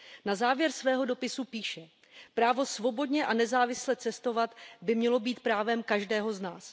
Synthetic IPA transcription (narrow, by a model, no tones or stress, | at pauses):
nazaːvjɛɾsvɛːɦo̞do̞pɪsupiːʃɛ | pɾaːvo̞svo̞bo̞dɲɛʔanɛzaːvɪslɛt͡sɛst̪o̞vat̪bɪmɲɛlo̞biːt̪pɾaːvɛmkaʒdɛːɦo̞znaːs